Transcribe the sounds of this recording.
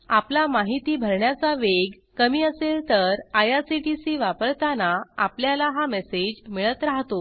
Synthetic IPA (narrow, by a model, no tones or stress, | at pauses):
aplamaɦit̪iːbʱəɾɳjat͡saʋeɡ | kəmiːəselt̪əɾajasiʈisiʋapəɾt̪anaapljalaɦamɛsed͡ʑmiɭət̪ɾaɦt̪o